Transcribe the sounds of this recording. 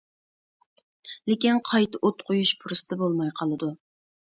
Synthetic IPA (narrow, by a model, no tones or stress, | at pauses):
lekʲinqʰɑjt̪ʰɨʔot̪̚qʰojuʃpʰʊɾɨsɨd̪̥ɛbolˠmɑjqʰɑlˠɨd̪u